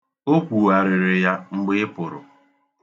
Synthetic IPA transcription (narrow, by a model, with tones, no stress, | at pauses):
o˦kʷu˨wa˨ɾɪ˨ɾɪ˨ja˦ŋ͡m̩˦ɡ͡bɪ˦ɪ˦pʊ˨ɾʊ̰˨